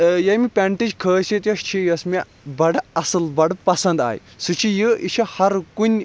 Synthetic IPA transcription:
jɐjmʲipʲɛɳʈid͡ʒʲkʰəːsʲit̪jɐʃt͡ʃʰijɐsmʲi | bɐɽɐsɨlbɐɽpɐsɐnd̪a̰ːj̰ | sut͡ʃʰijɨit͡ʃʰɐhɐɾkunʲ

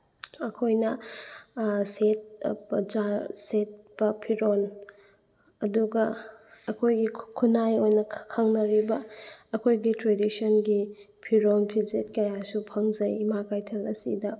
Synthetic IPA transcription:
ɐkʰojnɐ | set̚pd͡ʒaset̚bɐpʰiɾon | ɐduɡɐɐkʰojɡikʰunajojnɐkʰɐŋnɐɾibɐːkʰojɡitɾedisonɡi | pʰiɾonpʰizet̚kajasupʰɐŋzɐjmakajtʰelɐsḭdɐ

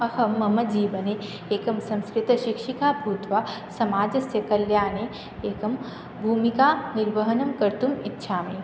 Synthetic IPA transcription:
ɐhɐmːɐmɐd͡ʒiːʋɐne | eːkɐmsɐ̃mskɾɪt̪ɐʃɪkʃikaːbʱuːt̪ʋasɐmaːd͡ʒɐsjɐkɐljaːne | eːkɐm | bʱuːmikaːnɪɾʋɐɦɐnɐmkɐɾt̪umɪtːʃʰaːmeː

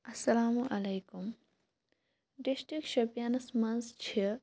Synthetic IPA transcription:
ɐsːɐlaːmuʔɐlejkum | ɖisʈɾikʃɐpjaːnɐsmɐnst͡ʃʰi

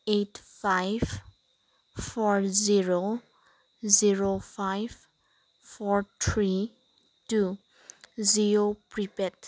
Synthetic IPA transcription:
etpʰajb | fʰɔɹziɹo | ziɹofʰajb | fʰɔɹtʰɹi | tu | ziɹopɹipɛt

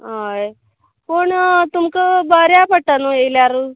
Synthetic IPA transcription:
ɦaj | pəɳt̪umkəbəɾjapəʈ̪anuejljaɾu

